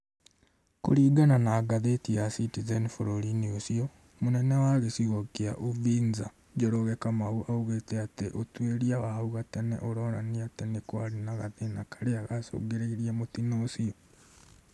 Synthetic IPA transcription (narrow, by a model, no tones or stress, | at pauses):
ko̰ɾiːɡananaːɡaðetiasitizenifoɾoɾiniosiɔ | monɛnɛwaɣesiɣɔkea̰ʔoviːnza | ɟɔɾoɣɛkamauʔauɣetɛateʔotweɾiawauɣatɛnɛ̰ʔoɾɔɾaniatɛnekwaɾinaɣaðenakḁɾeaɣaso̰ːɡeɾeiɾiamotinoːsiɔ